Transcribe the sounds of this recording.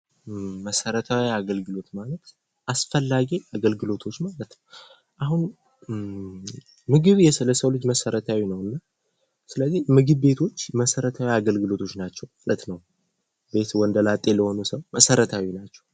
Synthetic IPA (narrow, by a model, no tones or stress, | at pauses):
məsəɾət̪ʰawiaɡəlɡɨlo̞t̪malət̪ | ʔasfəlːaɡiaɡəlɡɨlo̞t̪ʰo̞t͡ʃːmalət̪nəw | ʔaɦun | mɨɡɨβjɛsɨləsəwlɨd͡ʒməsəɾət̪ʰawinəwɨnːa | sɨləzːimɨɡɨβbe̞t̪ʰo̞t͡ʃːməsəɾət̪ʰawiaɡəlɡɨlo̞t̪ʰo̞t͡ʃːnat͡ʃːɛwmalət̪nəw | be̞t̪wɔnd̪əlat̪ʼe̞ləho̞nusəwməsəɾət̪ʰawinat͡ʃːɛw